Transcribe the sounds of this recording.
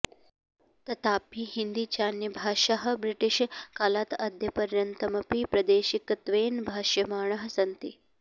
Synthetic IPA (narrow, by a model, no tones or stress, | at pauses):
t̪ɐt̪aːpiːhind̪iːt͡ʃaːnjɐbʱaːʃɐɦɐ̆bɾiʈiʃkaːlaːt̪ɐd̪ʱjɐpɐɾjɐnt̪ɐmɐpiːpɾɐd̪eːʃikt̪ʋeːnbʱaːʃjɐmaːɳɐɦɐ̆sɐnt̪ḭ